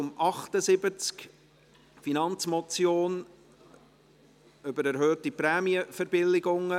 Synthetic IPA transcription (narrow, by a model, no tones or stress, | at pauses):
ʊmʔɑχt̪əzɪbət͡sk | finɑnt͡smɔt͡sjoːn | ʏbəɾæɾɦøːtipɾɛːmiəfɛɾbɪlːɪɡʊŋə